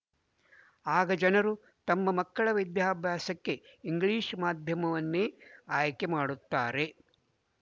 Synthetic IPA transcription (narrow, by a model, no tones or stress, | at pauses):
aːɡɐd͡ʒɐnɐɾu | t̪ɐmːɐmɐkːɐɭɐʋid̪ʱjaːbʱjaːsɐkːe̞iŋɡɭiːʂmaːd̪ʱjɐmɐʋɐnːeːaːjkemaːɽut̪ːaːɾe̞